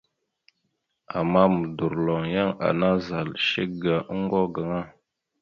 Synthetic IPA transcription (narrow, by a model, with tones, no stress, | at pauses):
a˨ma˦mə˨du˨ɾlɔ˨ŋja˦ŋa̰˨na˦za˨lʃe˦ɡa˨˦ŋ˦ɡɔ˦ɡa˨ŋa˦